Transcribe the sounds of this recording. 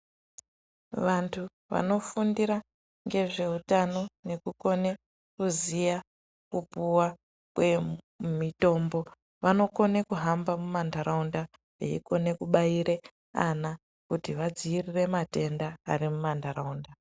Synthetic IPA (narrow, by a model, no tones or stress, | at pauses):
ʋantʰu | ʋa̰no̞fundiɾa | ŋɡe̞ʐe̞utano̞ne̞kuko̞ne̞ | kuzija | kupuwa | kwe | mito̞mbo̞ | ʋano̞ko̞nekuɦambamumandaɾaunda | ḛḭko̞ne̞kuɓaiɾe | a̰na | kutiʋad͡ziirire̞mate̞ndaːɾimumandaɾaunda